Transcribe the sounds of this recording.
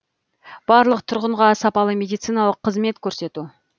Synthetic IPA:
b̥ɑɾlˠəqt̪ʰʊɾʁəɴʁɑsɑpɑlˠəmʲe̞d̪ijt̪sɨjnɑlˠəqʰːəzme̞t̪kʲʰɵɾse̞t̪u

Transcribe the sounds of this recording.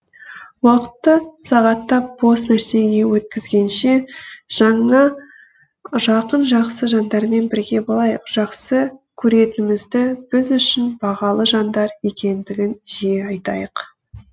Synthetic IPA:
wɑqə̥t̪ːəsɑʁɑt̪ːɑp̚b̥o̞snæɾse̞ɡʲe̞wɵt̪̚kʲɪzɡʲe̞nʃe̞ʒ̥ɑɴɑ | ʒɑqənʒɑqsəʒɑnd̪ɑɾme̞nbɪɾɡʲe̞bolˠɑjəqʒ̥ɑqsəkʲʰɵɾe̞t̪ɪmɪzd̪ɪb̥ɪzʏʃɪnbɑʁɑlˠəʒɑnd̪ɑɾe̞kʲe̞nd̪ɪɡʲɪnʒejeɑjt̪ɑ̰jəq

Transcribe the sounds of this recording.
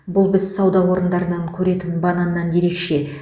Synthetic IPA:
bʊlˠbɪzsɑwd̪ɑwo̞ɾənd̪ɑɾənɑŋkʲʰɵɾe̞t̪ɪnbɑnɑnːɑnje̞ɾe̞kʃe̞

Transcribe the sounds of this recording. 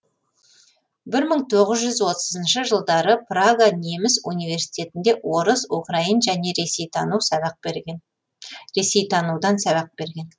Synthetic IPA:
bɪɾməɴt̪ʰo̞ʁəzʒʏzwo̞t̪əzənʃəʒəlˠd̪ɑɾəpraɡane̞mɪsunijve̞ɾsi̥t̪ʲe̞t̪ɪnd̪e̞ʔwo̞ɾəsukrainʒæne̞nuws̚ | ɾe̞se̞jt̪ʰɑnud̪ɑnsæbɑq̚be̞ɾɡʲe̞n

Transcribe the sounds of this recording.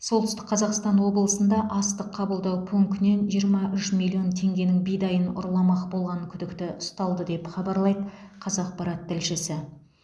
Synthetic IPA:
solˠt̪əʏst̪ɪkqʰɑzɑqst̪ɑnwo̞bəlˠəsənd̪ɑʔɑst̪əqʰːɑbəlˠd̪ɑwpʰɵŋkʲne̞nʒijəɾmɑʔʏʃmilʲːˠio̞nt̪ʰe̞ŋɡʲe̞nɪŋbijd̪ɑjənʊ̰ɾlˠɑmɑqbo̞lˠʁɑnəkʲʰʏd̪ɪkt̪ɪʔʊst̪ɑlˠd̪əd̪e̞pχɑbɑɾlˠɑjd̪ə | qʰɑzɑq̚pɑɾɑt̪ʰːɪlʃɪsɪ

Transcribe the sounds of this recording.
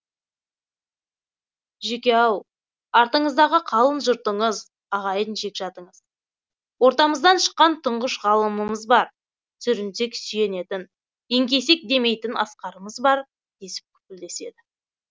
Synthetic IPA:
ʒekʲe̞ɑw | ɑɾt̪əɴəzd̪ɑʁəqʰɑlˠənʒʊɾt̪əɴəz | ɑʁɑjənʒe̞kʲʒ̥ɑt̪əɴəz̥ | wo̞ɾt̪ɑməzd̪ɑnʃə̥qːɑnt̪ʰəɴʁəʃʁɑlˠəməməzbɑɾ | sʰʏɾɪnse̞ksʏje̞ne̞t̪ɪn | eŋkʲe̞se̞k̚d̪e̞me̞jt̪ɪnʔɑ̰sqɑɾəməzbɑɾ | d̪̥e̞sɪ̥p̚kʲʰʏ̥p̚ʲɪld̪e̞se̞d̪ɪ

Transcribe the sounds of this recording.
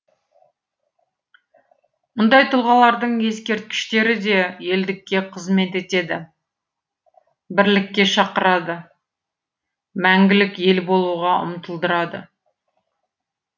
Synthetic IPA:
mʊnd̪ɑjt̪ʰʊlˠʁɑlˠɑɾd̪əɴje̞skʲe̞ɾt̪̚kʲɪ̥ʃt̪e̞ɾɪd̪e̞je̞ld̪ɪkʲːe̞qʰəzme̞t̪e̞t̪e̞d̪ɪ | bɪɾlɪkʲːe̞ʃɑqəɾɑd̪ə | mæŋɡʲɪlɪkje̞lbo̞lˠuʁɑʊ̰mt̪əlˠd̪əɾɑd̪ə̰

